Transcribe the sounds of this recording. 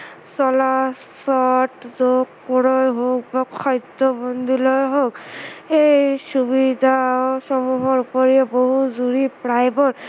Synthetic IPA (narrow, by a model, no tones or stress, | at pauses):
sɔla | sɔtzokːɔɹɔjɦok̚bakʰɔjd̪ɔbɔnd̪ʱilojɦokejsubid̪ʱasɔmuɦɔɹupɔɹiɛboɦuzuɹipɹajbɔɹ